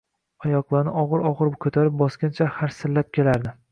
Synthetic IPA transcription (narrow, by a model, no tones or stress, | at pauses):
ajɒqlˠaɾnɪʔɒʁɨɾɒʁɨɾkʰɵt̪ʰaɾɪp̚bɒskʲant͡ʃʰahaɾsɪɾlap̚kʲe̞laɾd̪ɪ